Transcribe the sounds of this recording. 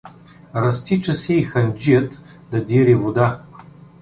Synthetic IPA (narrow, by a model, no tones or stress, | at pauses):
ɾɐst̪it͡ʃəsɛixɐnʲd͡ʒijət̪ | d̪ɐd̪ʲiɾivod̪a